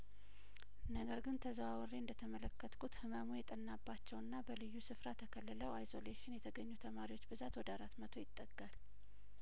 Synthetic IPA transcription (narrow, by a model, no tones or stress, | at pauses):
nəɡəɾɡɨnt̪ʰəzəwawɔreɨnd̪ət̪ʰəmələkːət̪ʼkʰut̪hɨmamujɛt̪ʼənːabːat͡ʃːɛwɨnːabəlɨjːusɨfɾat̪ʰəkʰəlːələwajzo̞leʃɪnjɛt̪ʰəɡəɲːut̪ʰəmaɾiwo̞t͡ʃːbɨzat̪wɔd̪əaɾat̪mət̪ʰo̞jɪt̪ʼːəɡal